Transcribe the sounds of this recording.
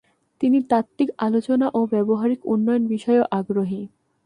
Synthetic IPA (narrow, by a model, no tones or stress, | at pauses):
t̪init̪akt̪̚ːikalot͡ɕonaʔobɛboɦaɾikunːɔjonbiʃɔeoʔaɡɾoɦi